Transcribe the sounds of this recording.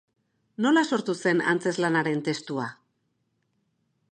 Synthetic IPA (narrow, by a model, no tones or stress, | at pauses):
no̞laso̞ɾt̪use̞na̰nt͡se̞zlanaɾe̞nt̪e̞st̪ua